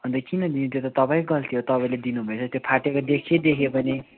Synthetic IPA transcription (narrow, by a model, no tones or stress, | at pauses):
ʌnd̪ʌkinʌd̪init̪jot̪ʌt̪ʌpaĩɡʌlt̪ʰijot̪ʌpaĩled̪inubʱʌet͡sʰʌt̪jopʰaʈekod̪ekʰjed̪ekʰebʱʌne